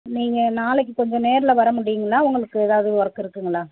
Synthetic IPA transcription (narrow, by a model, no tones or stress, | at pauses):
niːŋɡɐnaːlɛk̬ːɯkɔɲd͡ʒɔ̃neːɾɪlɐʋɐɾɐmʊɽɪjɯŋɡɐlaːʊŋɡɐɭɯkːɯeːðaːʋɐðɯɯɔɾɐkːɪɾɯkːɯŋɡɐlaː